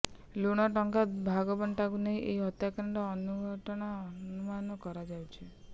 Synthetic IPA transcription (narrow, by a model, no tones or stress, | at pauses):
luɽ̃ɔʈɔŋkabʱaɡɔbɔɳʈakuneɦĩʔeiɦɔt̪jakaɳʈɔːnuɡʱɔʈɔɽ̃aɔnumanɔkɔɾad͡ʒawt͡ʃʰi